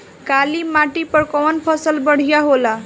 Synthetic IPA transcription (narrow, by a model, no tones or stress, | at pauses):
kaliːmaʈipəɾkɔʋənpʰəsəlbəɽ̤jaɦola